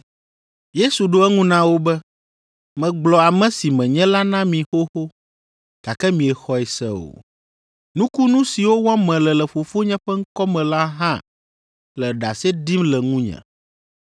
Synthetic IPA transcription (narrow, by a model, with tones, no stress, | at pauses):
je˦su˨ɖo˦ɛ˦ŋũ˦nã˦wo˦bɛ˦ | mɛ̃˨ɡ͡blɔ˨a˨mɛ̃˦si˨mɛ̃˨ɲɛ̃˦la˦nã˦mĩ˨xo˦xo˦ | t̪a˨kɛ˦mĩ˨ɛ˨xɔ˦ɛ˨sɛ̰˦o̰˨ | nũ˦ku˦nũ˦si˨wo˦wã˦mɛ̃˨lɛ˨lɛ˨ɸo˨fo˦ɲɛ̃˦ɸɛ˦ŋ̩˦kɔ˦mɛ̃˨la˦ɦã̰˦ | lɛ˨ɖa˨sɛ˦d̪i˦mlɛ˨ŋũ˦ɲɛ̰̃˨